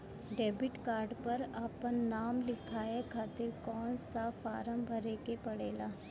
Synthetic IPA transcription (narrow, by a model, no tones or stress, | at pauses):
ɖeːbɪʈkaːɾɖpɐɾaːpənːaːmlɪkʰaːekʰaːt̪ɪɾkɔːnsafaːɾə̃mbʱəɾeːkepɐɽeːlaː